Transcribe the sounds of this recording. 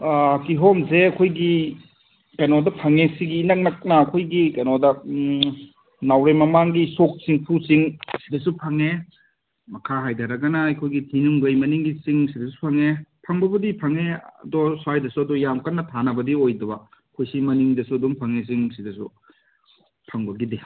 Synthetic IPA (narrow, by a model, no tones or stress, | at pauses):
kiɦomseɐkʰojɡi | kɐjnɔdɐpʰɐŋesiɡiːnɐk̚nɐk̚nɐːkʰojɡikɐjnɔdɐ | nawɾemɐmaŋɡisok̚siŋpʰusiŋsidɐsupʰɐŋe | mɐkʰaɦajdaɾɐɡɐnɐːjkʰojɡitʰinuŋɡɐjmɐniŋɡisiŋsidɐsupʰɐŋepʰɐŋbɐbɐdipʰɐŋeɐ̰dɔsajdɐsuɐdɔjamkʰɐnːɐtʰanɐbɐdiojdɐbɐ | kʰojsimɐniŋdɐsuɐdɔmpʰɐŋes̬iŋsidɐsu | pʰɐŋbɐɡide